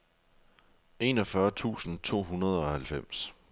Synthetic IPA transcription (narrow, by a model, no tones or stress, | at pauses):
e̝̰ːnɒ̽fɶːɐt͡sʰṵːsn̩t͡sʰo̝̰ːɦunɐð̞ˠɒ̽hælfem̰s